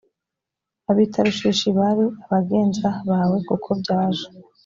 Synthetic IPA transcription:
aβiːtʰaɾuʃiʃiβaɾiaβaɡe̞ːnzaβawe̞kukʰo̞bɟaːʒo̥

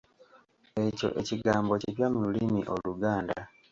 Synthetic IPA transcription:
e̞co̞̰ʔe̞ciɡaːmbo̞ceβjamululimiʔo̞̰luɡaːnda̰

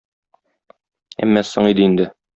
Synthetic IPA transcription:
æ̰mːæsoɴid̪ɘind̪ɘ

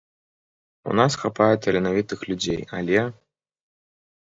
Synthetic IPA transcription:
ṵnasxapajɛt̪ʲɐɾʲinavʲit̪ɨxlʲud͡zʲeja̰lʲɛ

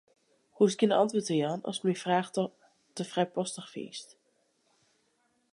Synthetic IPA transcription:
huskinɑ̰ntʋʊːɹtəjɑnɑ̰sməfraːχ | təfrɛjpɔstəχfiḭst

